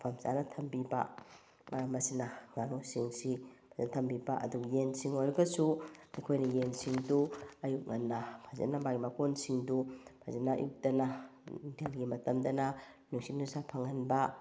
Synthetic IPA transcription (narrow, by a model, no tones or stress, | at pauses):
pʰamsa̰nɐtʰɐmbiba̰ | mɐɾamɐsinaŋanosiŋsipʰazanatʰɐmbibaʔɐ̰duɡjensiŋojɾɐɡɐsuekʰojnɐjensiŋduɐjuk̚ŋanːapʰazḛnamaɡimakonsiŋdupʰa̰zana̰jṵk̚dɐnantʰelɡimɐtɐmdɐna | nuŋsinusapʰaŋanba